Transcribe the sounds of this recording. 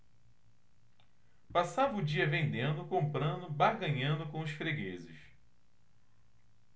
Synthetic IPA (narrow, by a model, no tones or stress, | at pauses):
pasavɐʊd͡ʒiɐvẽnd̪ẽnd̪ʊkõmpɾɐ̃nd̪ʊbahɡɐ̃ɲɐ̃nd̪ʊkõʊʃfɾeɡezɪ̰ʃ